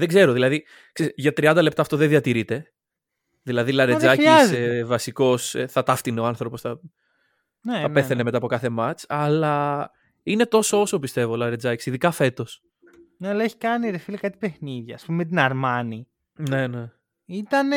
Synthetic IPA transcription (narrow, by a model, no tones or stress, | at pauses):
ðeɡze̞ɾo̞ðilɐði | kseʝɐt̪ɾiɐnd̪ɐle̞p̚t̪ɐːft̪o̞ðeðiɐt̪iɾit̪e̞ | ðilɐðilɐɾed͡zɐiiɐszvɐsiko̞seθɐt̪ɐft̪ineoɐnθɾopo̞sθɐ | neɐpe̞θeneme̞t̪ɐpo̞kɐθe̞mɐt͡sɐlɐ | ine̞t̪o̞sooso̞pist̪e̞volɐɾe̞d͡zɐci̥siðikɐfe̞t̪o̞s | neɐlɐeçi̥kɐniɾefilikɐt̪i̥pexniðʝɐːspumemet̪̬inɐɾmɐni | ne̞ne | it̪ɐn